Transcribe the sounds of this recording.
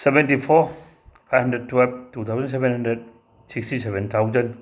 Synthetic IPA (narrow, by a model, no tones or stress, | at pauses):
sɛvɛntifɔ | fahɦəndəd̚tʰwɛlvt̪ut̪ʰaːwzəns̬ɛvɛnhəndɾəd̚ | sikst̪isɛvənt̪ʰawzən